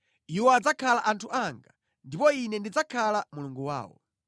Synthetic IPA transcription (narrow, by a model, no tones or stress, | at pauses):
iwɔad͡zakʰalaʔantʰuʔaŋɡa | ndipɔinɛndid͡zakʰalamuluŋɡuwa̰ːwɔ̰